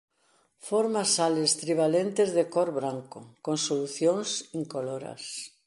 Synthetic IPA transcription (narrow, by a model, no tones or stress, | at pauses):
foɾmasalest̪ɾiβ̞alent̪ezðekɔɾβɾaŋkʊkõŋsoluθjõŋsiŋkoloɾa̰s